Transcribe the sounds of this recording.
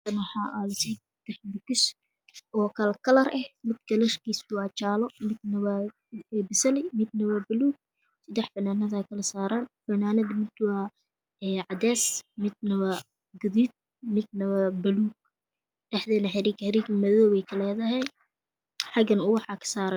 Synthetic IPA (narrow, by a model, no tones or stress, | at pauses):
t̪ɐnħɑʔɐlsɐd̪ | d̪ɛħd̪ɪkɪs | ʔɔːkʰɐlɐkʰɐlɐɾʔɛhmɪd̪kɐlɐʃkiːsʊwɑːt͡ʃaːlɔmɪd̪nɐβɐ | bɪsɐlɪmɪd̪̚nɐβɐbɐluːɡ̚ | sɪd̪ɛħfɐnaːnɐðaːkʰɐlɐsaːɾaːnfɐnaːnɐd̪mɪd̪wa | ɛːʕɑd̪ɛːsmɪd̪̚nɐβɐ | ɡʊðid̪̚ | mɪd̪̚nɐβɐbɐluːɡ̚ | ɖɛħðɛːnɐħɑɾiːkhɐɾiːkmɐðɔːβɛjkʰɐlɛːðɐɦɛj | ħɑɡɐnʊwɑħɑkʰɐ̥saːɾɐ